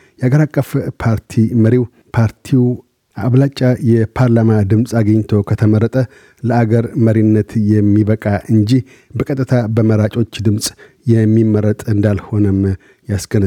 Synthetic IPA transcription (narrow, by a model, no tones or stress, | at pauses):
jɛaɡəɾakʼːəfpʰaɾt̪ʰiməɾiw | pʰaɾt̪ʰiw | ʔaβlat͡ʃʼːajɛpʰaɾlamad̪ɨmsʼaɡəɲt̪ʰo̞kʰət̪ʰəməɾːət̪ʼə | ləaɡəɾməɾinːət̪jɛmːiβəkʼaʔɨɲd͡ʒih | bəkʼət̪ʼːɨt̪ʰabəməɾat͡ʃʼo̞t͡ʃːd̪ɨmsʼ | jɛmːimːəɾət̪ʼɨnd̪alho̞nəm | jasɡ̥ənə